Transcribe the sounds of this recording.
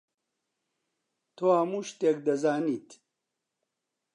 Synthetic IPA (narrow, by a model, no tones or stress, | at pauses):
t̪ʰoːhɐmuːʃt̪eːk̚d̪ɐzaːniːt̪ʰ